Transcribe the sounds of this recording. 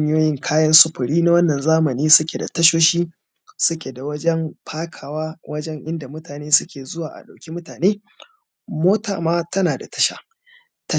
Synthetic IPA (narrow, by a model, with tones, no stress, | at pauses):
ɲ˦joː˦jɪ˦ŋkʰaː˦jɐ˦nsʊ˦ɸʊ˨ɽiː˦na˦wɐ˦nːɐ˨nzaː˦mɐ˨niː˦sʊ˦kʲe˨da˨tɐ˦ʃoː˦ʃiː˦ | sʊ˦kʲe˨da˨wɐ˦d͡ʒɛ˦mɸʰaː˦kʰaː˨waː˦wʔɐ˦d͡ʒɛ˦ŋʔɪ˦nda˨mʊ˦taː˨neː˦sʊ˦kʲʰeː˨zʊ˦waː˨ʔa̰˨ɗa˨wkʲi˦mʊ˦taː˨neː˦ | moː˦ta̰ː˨maː˦tɐ˦naː˨da˨tʰɐ̥˦ʃa̰˨ | tɐ˦